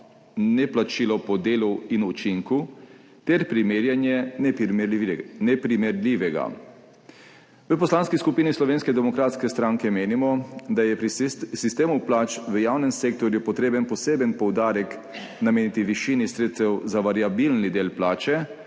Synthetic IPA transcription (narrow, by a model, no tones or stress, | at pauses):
nɛplat͡ʃiːlɔpɔd̪eːluinut͡ʃiŋku | t̪ɛɾpɾimeːɾjanjɛn | nɛpɾimɛɾlʲiʋɛɡa̰ | ʋəpɔslaːnskiskupiːnislɔʋeːnskɛd̪ɛmɔkɾaːt̪skɛst̪ɾãŋkɛmeːnimɔd̪ajɛpɾisist̪eːmuplaːt͡ʃʋəjawnɛmseːk̚t̪ɔɾjupɔt̪ɾeːbənpɔseːbənpɔwd̪aːɾɛk | nameːnit̪iʋiʃiːnisɾeːt̪st̪ɛwzaʋaɾjabilnid̪eːlplaːt͡ʃɛ